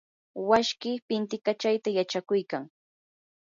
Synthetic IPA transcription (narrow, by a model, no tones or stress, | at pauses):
waʃkɪpɪnt̪ɪkat͡ʃajt̪ajat͡ʃakʊjkaŋ